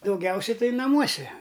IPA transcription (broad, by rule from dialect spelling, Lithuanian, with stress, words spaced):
dɐʊɡʲˈɛʊsʲɛ ˈtɐɪ nɐˈmuɔsʲɛ